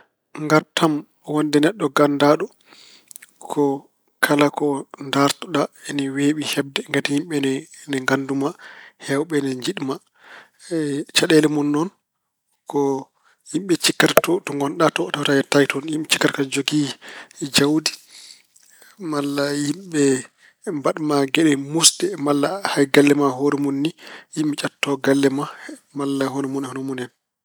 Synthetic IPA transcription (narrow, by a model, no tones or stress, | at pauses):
ŋɡaɾtam | wɔndɛnɛɗːɔɡandaːɗɔ | kʰɔ | kʰalakɔndaɾtɔɗaɛnɛweɓihɛb̚dɛŋɡatihimɓɛnnɛŋɡandumahɛwɓɛnɛɲd͡ʒiɗma | t͡ʃaɗɛlɛmɔnːɔn | kɔ | himɓɛt͡ʃikːattɔtɔŋɡɔnɗatɔtawtad͡ʒɛtajtɔnjimɓɛt͡ʃi̥kːatkad͡ʒoɡid͡ʒawdi̥ | malːajimɓɛ | mbaɗmaɡɛɗɛmusdɛmalːahajɡalːɛmaɦoɾɛmunːijimɓɛt͡ʃʼatːɔɡalːɛmamalːaɦɔnɔmunhɔnɔmunɛn